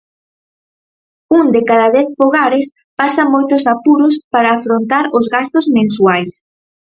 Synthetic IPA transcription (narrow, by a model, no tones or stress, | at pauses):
uŋd̪ekaðaðɛθfoɣaɾɪs | pasɐmojt̪ʊsapuɾʊspaɾaːfɾont̪aɾozɣast̪ʊzmẽnswajs